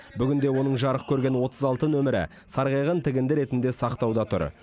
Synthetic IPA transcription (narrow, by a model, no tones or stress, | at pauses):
bʏɡʲɪnd̪e̞wo̞nəɴʒɑɾəqkʲʰɵɾɡʲe̞nwo̞t̪ʰəzɑlˠt̪ənɵmɪɾɪ̰ | sɑɾʁijʁənt̪ʰɪɡʲɪnd̪ɪɾe̞t̪ɪnd̪e̞sɑqt̪ɑwd̪ɑt̪ʰʊ̰ɾ